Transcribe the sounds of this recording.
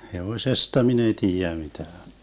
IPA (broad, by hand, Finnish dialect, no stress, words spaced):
heʋoĭsestɑ min ei tiːjæ mitæːn